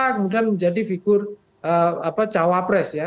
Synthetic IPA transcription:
akəmudianməɲd͡ʒadifiɡʊr | ʔəapat͡ʃawapɾɛsja

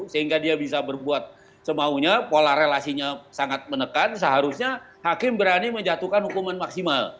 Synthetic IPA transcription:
səhiŋɡadiabisabərbuat̪̚ | səmauɲapolaɾelasiɲasaŋat̪̚mənəkansəɦaɾusɲa | hakɪmbəɾaniməɲd͡ʒat̪ukanhukumanmaksimal

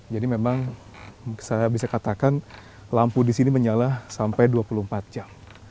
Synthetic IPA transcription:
d͡ʒadimemaŋ | sajabisakat̪akan | lampudisiniməɲalasampajduapulumpat̪̚d͡ʒam

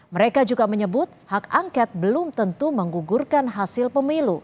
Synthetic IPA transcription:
məɾekad͡ʒuɡaməɲəbʊt̪̚hakaŋkat̪̚bəlʊmt̪ənt̪uməŋɡuɡurkanɦasɪlpəmilu

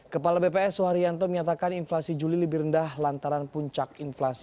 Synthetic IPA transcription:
kəpalabepeɛsuɦaɾiant̪ɔməɲat̪akaninflasid͡ʒulilibiɾəndahlant̪aɾanpuɲt͡ʃakinflasi̥

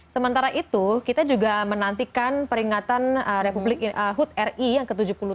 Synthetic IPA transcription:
səmənt̪aɾaʔit̪ukit̪ad͡ʒuɡamənant̪ikanpəɾiŋat̪anəɾepublɪkəɦut̪̚ɛrijaŋkət̪ud͡ʒuhpulu

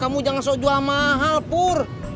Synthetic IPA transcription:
kamud͡ʒaŋansɔd͡ʒuamaɦalpur

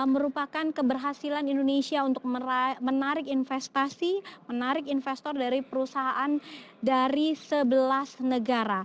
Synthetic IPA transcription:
məɾupakankəbərɦasilanindonesiaunt̪ʊk̚mənaɾɪkinfɛst̪asimənaɾɪkinfɛst̪ɔrdaɾipəɾusaɦaʔan | daɾisəbəlasnəɡaɾa

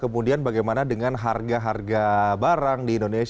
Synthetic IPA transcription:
kəmudianbaɡajmanadəŋanɦarɡaɦarɡabaɾaŋdiːndones

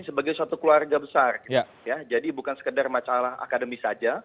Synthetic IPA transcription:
səbaɡajsuat̪ukluarɡabəsarki | jad͡ʒadibukansə̥kədarmat͡ʃalaɦa̰kadəmisad͡ʒa

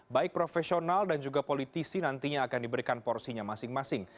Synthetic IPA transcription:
baɪk̚pɾofɛsionaldand͡ʒuɡapolit̪isinant̪iɲaːkandibəɾikanpɔrsiɲamasɪŋmasɪŋ

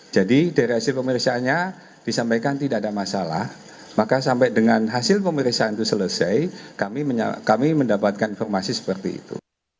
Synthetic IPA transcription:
d͡ʒadidaɾiɦasɪlpəməɾiksaːnɲa | d̥isampajkant̪idaʔadamasala̰h | makasampadəŋanɦasɪlpəməɾiksaant̪usələsajkamiməɲa̰kamiməndapat̪̚kaninfɔrmasisə̥pərt̪iḭt̪ṵ

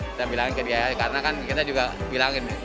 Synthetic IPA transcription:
kit̪abilaŋɪnkədiajakaɾənakankit̪ad͡ʒuɡabilaŋɪn

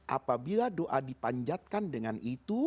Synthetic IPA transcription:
ʔa̰pabiladoʔadipaɲd͡ʒat̪̚kandəŋanʔit̪u

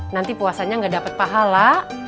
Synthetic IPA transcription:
nant̪ipuasaɲaŋɡadapət̪̚paɦala

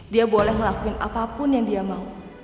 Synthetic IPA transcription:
diabolɛhməlakuɪnʔa̰papʊnjaŋdiamau

